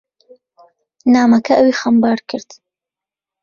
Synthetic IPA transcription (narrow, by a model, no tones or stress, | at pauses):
naːmɐkʰɐʔɐwiːxɐmbɑːɾkʰɨɾd̪̥